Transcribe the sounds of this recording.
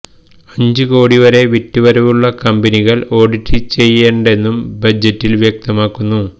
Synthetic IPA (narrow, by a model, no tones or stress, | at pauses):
ɐɲd͡ʑɨkoːɽiʋɐɾe̞ʋitːuʋɐɾɐʋuɭːɐkɐmbɐniɣɐɭo̞ːɽitːit͡ɕe̞jːeːɳɖe̞nːumbɐd͡ʑɐtːilʋjek̚t̪ɐmaːkːunːu